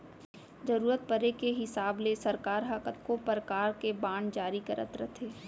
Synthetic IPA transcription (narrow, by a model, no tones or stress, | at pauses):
d͡ʒɐɾuːɾət̪̚pəɾekeɦɪsaːblesɐɾkaːɾɦakət̪kopɾəkaːɾkebãːɳd͡ʒaːɾikɐɾə̰t̪ɾɐt̪ʰeː